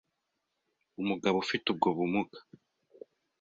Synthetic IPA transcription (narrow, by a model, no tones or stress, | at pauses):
umuɡaβufitub̚ɡoβumuɡḁ